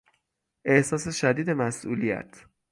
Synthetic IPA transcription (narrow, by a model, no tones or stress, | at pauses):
ʔe̞hsɒːse̞ʃæd̪iːd̪e̞mæsʔṵːlijæ̰t̪ʰ